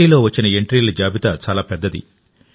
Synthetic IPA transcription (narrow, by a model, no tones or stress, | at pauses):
iːlo̞ːʋɐt͡ʃːinɐeɳʈɾiːlɐd͡ʒaːbit̪at͡ʃaːlaːpɛd̪ːɐd̪ḭ